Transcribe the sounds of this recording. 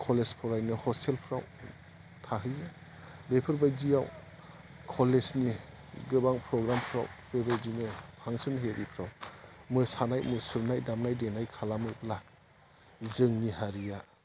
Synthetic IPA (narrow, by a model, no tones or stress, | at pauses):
kʰɔlespʰɔɾajnɯhɔstʰelpʰɾaw | tʰaɦɯja | bepʰɯɾbajdijaw | kʰɔlesni | ɡɯbaŋpʰɾɔɡɾampʰɾa̰wb̥ebajdinɯpʰaŋsɯnɦeɾipʰɾawmɯsanajmɯsuɾnajdamnajdenajkʰalamɯpʰla | zɯŋniɦaɾija